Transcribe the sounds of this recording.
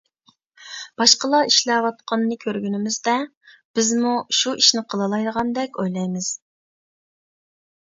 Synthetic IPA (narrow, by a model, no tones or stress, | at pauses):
b̥ɑʃqəlˠɑiʃlɛwɑt̪̚qʰɑnːɨkʲʰøɾɡʲynɪmɪzd̪ɛ | b̥ɪzmuʃuiʃnɪqʰəlˠɨlˠɑjd̪əʁɑnd̪ɛkʲojlˠɑjmɨz̥